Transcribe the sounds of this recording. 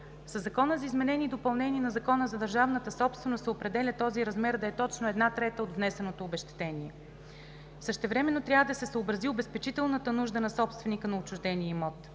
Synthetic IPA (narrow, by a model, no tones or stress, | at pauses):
səzːɐkɔnəzɐizmɛnɛnʲiːd̪opɐlˠnɛniɛnɐzɐkɔnəzɐd̪əɾʒavnət̪əsɔpst̪vɛnost̪ɛopɾɛd̪ɛlʲət̪ɔziɾɐzmɛɾd̪ɐɛt̪ɔt͡ʃnoɛd̪nat̪ɾɛt̪əod̪vnɛsɛnot̪oːbɛʃt̪ɛ̥t̪ɛniɛ | fsəʃt̪ɛvɾɛmɛnːot̪ɾʲavəd̪ɐsɛsəobɾɐziobɛspɛt͡ʃit̪ɛlˠnət̪ənuʒd̪ənɐsɔpst̪vɛnikənɐot͡ʃʊʒd̪ɛniɛimɔt̪